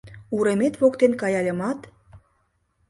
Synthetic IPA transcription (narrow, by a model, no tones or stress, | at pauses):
uɾemet̪βokt̪enkɑjɑlʲə̆mɑt̪